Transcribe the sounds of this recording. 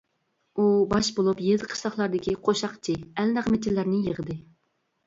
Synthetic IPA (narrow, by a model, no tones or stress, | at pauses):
ubɑʃbolˠupjezɨqʰə̥ʃlˠɑχlˠɑɾd̪ɪkʲiqʰoʃɑqt͡ʃʰiælnæʁmet͡ʃ̪ilːæɾnɪjəʁəd̪ɨ